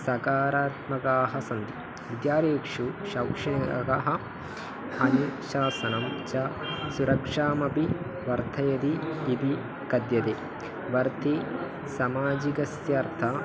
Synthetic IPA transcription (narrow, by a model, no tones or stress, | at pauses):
sɐkaːɾaːt̪̚mɐkaːɦɐsɐnd̪i | ʋid̪jaːɾiːkʂuʃɐwkʂɐnɐɐ̰kɐɦɐ̆ | ɐnuʃaːsɐnɐmt͡ʃɐsuɾɐkʂaːmɐpi | ʋɐɾt̪ʰɐjɐd̪iːp̪i | kɐd̪jɐt̪eː | ʋɐɾt̪i | sɐmaːd͡ʒikɐsjɐɾt̪ʰa